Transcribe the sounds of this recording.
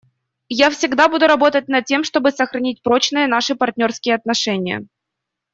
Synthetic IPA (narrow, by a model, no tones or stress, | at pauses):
jafsʲɪɡd̪abud̪ʊɾɐbo̞t̪ət̚ʲnɐt̪̚tʲːe̞mʂt̪o̞bɨsəxɾɐnʲit̚ʲpɾo̞t͡ɕnɨjən̪aʂɨpɐrt̚ʲnʲo̞rskʲɪjəɐt̪nɐʂɛnʲɪjə̰